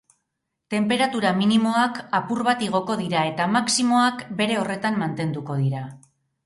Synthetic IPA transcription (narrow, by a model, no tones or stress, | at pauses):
t̪e̞mpe̞ɾat̪uɾaminimo̞akapuɾβat̪iɣ̞o̞ko̞ðiɾae̞t̪amaksimo̞akbe̞ɾe̞o̞re̞t̪ammant̪e̞nd̪uko̞ðiɾa